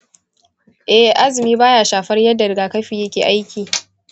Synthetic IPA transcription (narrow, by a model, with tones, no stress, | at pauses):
ʔɛ˨ʔa˦zɪ˨miː˦baː˦jaː˨ʃaː˨ɸɐ˦rjɐ˦dːa˨dɡaː˨kɐ˦ɸiː˨jɐ˦kʲeː˨ʔa˦jkʲiː˨